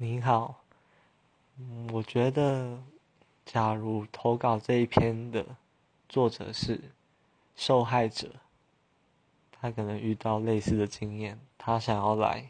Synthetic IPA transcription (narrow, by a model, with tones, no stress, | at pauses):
ni˧˥nxɑ˨˩˦ʊ | wɔ˨˩t͡ɕɥɛ˧˥d̪ə˨ | t͡ɕja˨˩ɻu˨˩t̪ʰo˧˥ʊkɑ˨˩ʊʈ͡ʂɤ˥˧i˥˩pʰjɛ˥nd̪ə̰˨˩ | t͡swɔ˥˩ʈ͡ʂɤ̰˨˩ʂɻ̩˥˩ | ʂo˥˧ʊxa˥˩ɪʈ͡ʂɤ̰˨˩˦ | t̪ʰa˥kʰɤ˨˩nə˧˦ŋy˥˧t̪ɑ˥˧ʊle˥˧ɪsɹ̩˥˩d̪ə˩t͡ɕi˥ŋjɛ˥˩nt̪ʰa˥˦ɕjɑ˨˩ŋjɑ˥˩ʊla̰˧˦ɪ